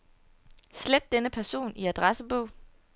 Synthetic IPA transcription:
sled̥ːenəpʰæɐso̝̰ːniæd̥ʁasəb̥ɔʊ̰

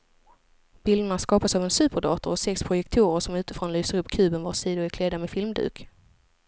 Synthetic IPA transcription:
b̥ɪld̪ənaskɑːpasavɛnsʉ̟ːpəɖɑ̰ːt̪ʊɾɔsɛkspʰɾʊjɛk̚t̪ʰuːɾəʂɔmʉ̟ːt̪ɪfɾɔnlyːsəɾɵpːkʰʉ̟ːbənvasiːd̪ʊɪkʰleːd̪amɛfɪlmd̪ʉ̰ːk

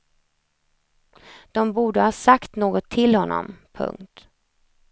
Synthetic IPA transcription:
d̪̥ɔmbuːɖəhɑːsakt̪noːɡɔt̪ʰːɪlhɔnːɔ̰mpʰɵ̰ŋkt̪

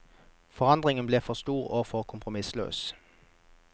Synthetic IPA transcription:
fɔʁɑnd̪ʁɪŋənbleːfɔʁst̪uːʁoːfɔʁkʰʊmpʁʊmɪslø̰ːs

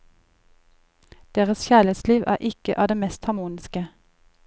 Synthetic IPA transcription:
d̪̥eːʁəsçæːlɛt̪sliːʋæ̰ːʔɪkəʔɑːʋd̪eːmɛst̪hɑmuːnɪskə

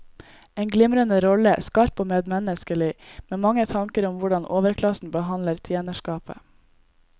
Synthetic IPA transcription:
eːnɡlɪmɾənəɾɔləskɑɾpoːmeːd̪mɛnəskəlɪmeːmɑŋət̪ʰɑŋkəɾʊmʋʊɖɑnʔoːʋəɾkʰlɑsn̩bəɦɑnləɾt̪ʰjeːnəʃkɑːpə̰

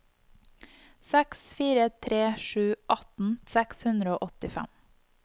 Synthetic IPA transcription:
sɛksfiːɾət̪ʰɾeːʃʉːʔɑt̪n̩sɛkshʉnd̪ɾəoːʔɔt̪ɪfæ̰m

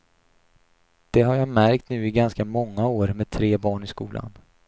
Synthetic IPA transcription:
d̪̥ɛɦaɾjamæɾkt̪nʉ̟ːɪɡanskamɔŋːaoːɾmeːd̪̚t̪ʰɾeːbɑːɳɪskuːlʔa̰n

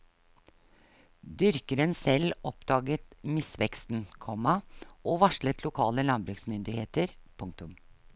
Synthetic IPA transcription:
d̪ʏɾkəɾənsɛlɔpd̪ɑːɡət̪mɪsʋɛkst̪n̩kʰɔmɑoːʋɑʂɭət̪ʰlʊkʰɑːləlɑnbɾʉksmʏnd̪ɪheːt̪əɾpʰʊŋk̚t̪ʊm

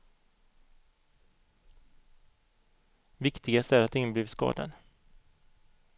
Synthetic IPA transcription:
vɪkt̪ɪɡast̪æɾat̪d̪ɪŋnəbliːvskɑ̰ːd̪a̰n

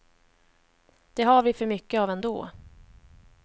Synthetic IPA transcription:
d̪̥ɛɦaɾvɪfœɾmʏkːəaːvɛnd̪o̰ː

